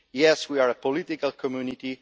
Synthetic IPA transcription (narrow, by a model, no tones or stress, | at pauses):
jɛswiaɹəpɔlɪt̪ɪkəlkʰɔmjunɪti